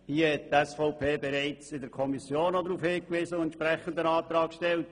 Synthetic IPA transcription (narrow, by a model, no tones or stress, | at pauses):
hiəhɛt̚tɛsfɔʊpʰeːbɛɾɛɪt͡sɪdəɾkʰɔmisjoːnːɔdɾuːfhɪːkʋɪːsəʊɛntt͡ʃpɾɛχənd̪ənɑːt̪ɾɑːkʃtɛlt̚